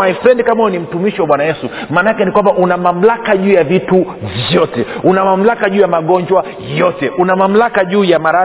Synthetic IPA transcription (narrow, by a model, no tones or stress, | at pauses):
ajfɾɛndkamaunim̩tumiʃiwaɓwanajɛsumaːnaakɛnikwambaʔunamam̩lakaʄuːjavitu | vjɔtɛunamam̩lakaʄuːjamaɠɔɲd͡ʒwa | jɔtɛʔunamam̩lakaʄuːjamaɾa